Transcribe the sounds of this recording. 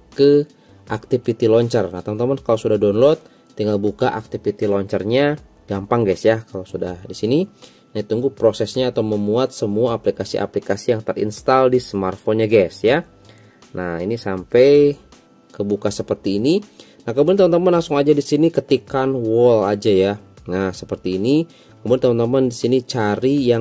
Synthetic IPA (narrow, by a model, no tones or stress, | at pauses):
kə | ʔak̚t̪ifit̪ilɔɲt͡ʃərnaht̪aunt̪amʊnkalasudahdɔnlɔt̪̚ː | iŋɡalbukaʔak̚t̪ifit̪ilɔɲt͡ʃərɲa | ɡampaŋɡɛsjakalawsudahdisini | nait̪uŋɡupɾosɛsɲaːt̪awməmuat̪̚səmuaːplikasiʔa̰plikasijaŋt̪ərḭnst̪aldisəmart̪fɔnɲaɡɛsja | nʔahinisampɛj | kəbukasəpərt̪iːni | nahkəmudant̪amant̪amanlaŋsʊŋad͡ʒadisinikət̪ikanwɔlad͡ʒajanasəpərt̪iːni | kəmudant̪amant̪amandisinit͡ʃaɾija